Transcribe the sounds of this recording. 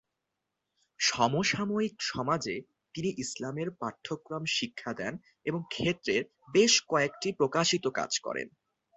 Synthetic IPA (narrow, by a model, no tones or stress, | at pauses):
ʃɔmoʃamoikʃɔmad͡ʑe | t̪iniʔislameɾpat̪ʰːokɾamʃikʰːad̪ɛn | eboŋkʰet̪ːɾeɾ | beʃkɔekʈipɾokaʃit̪oka̰d͡ʑkɔ̰ɾḛn